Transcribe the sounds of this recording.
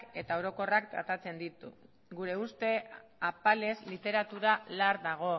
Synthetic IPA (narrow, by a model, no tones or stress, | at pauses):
e̞t̪aoɾo̞ko̞rak̚t̪ɾa̰t̪at͡se̞nd̪it̪u | ɡuɾe̞ust̪e̞apale̞zlit̪e̞ɾat̪uɾalaɾdaɣ̞o̞